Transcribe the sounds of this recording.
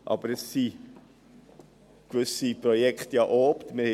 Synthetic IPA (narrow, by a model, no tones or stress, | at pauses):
ʔɑ̰bəɾɛsːi | kvʏsiprojɛktjɑʔoːptmɪhɛ